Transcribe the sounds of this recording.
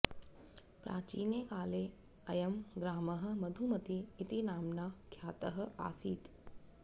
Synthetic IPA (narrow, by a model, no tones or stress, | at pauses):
pɾʔa̰ːt͡ʃiːnjekaːleː | ɐjɐmɡɾaːmɐɦə̆mɐd̪ʱumɐt̪iːt̪inaːmnakʰjaːt̪əɦə̆a̰ːsiːt̪